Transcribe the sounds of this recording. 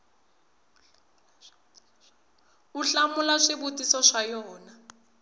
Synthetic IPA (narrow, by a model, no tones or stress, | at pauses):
uɬamʊlaʂibutisɔʂajɔːna